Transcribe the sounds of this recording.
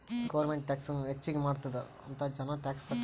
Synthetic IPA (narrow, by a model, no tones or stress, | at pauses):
ɡɐʋɐɾmeɳʈʈʲːaːksɐnːɦet͡ʃːiɡemaːɽt̪ud̪ːɐ | ɐ̰nt̪ɐd͡ʒɐnɐʈaːkspɐʈː